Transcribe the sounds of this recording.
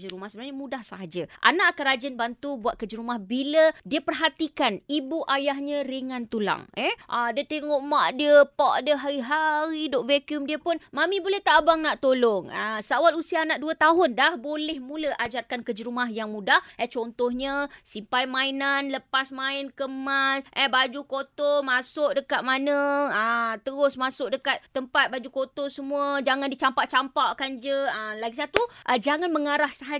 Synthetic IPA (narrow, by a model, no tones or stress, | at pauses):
d͡ʒəɾumahsəbənarɲamũdahsaɦad͡ʒəʔa̰naʔkaɾad͡ʒənbant̪ubuat̪̚kəd͡ʒəɾumahbilədiəpərɦat̪ikanibuʔajaɦɲə̃ɾiŋãnt̪ula̰ŋɛʔadiət̪eŋɔʔmaʔdiəpaʔdəɦaɾiɦaɾidoʔvekjumdiəpʊnmãmĩbolɛht̪aʔbaŋnaʔt̪olɔŋəsəawalusianaʔduət̪aɦʊndahbolɛhmũləʔad͡ʒarkankəd͡ʒəɾumahjaŋmũdahət͡ʃɔnt̪ɔhɲə̃simpajmãinanləpasmaɪnkəmasʔɛbad͡ʒukot̪omasʊʔ̚dəkat̪̚manə̃ət̪əɾʊsmasʊk̚dəkat̪̚t̪ːəmpat̪̚bad͡ʒukot̪osəmũəd͡ʒaŋãndit͡ʃampaʔt͡ʃampaʔkand͡ʒəəlaɡisat̪uʔəd͡ʒaŋanməŋaɾahsaɦa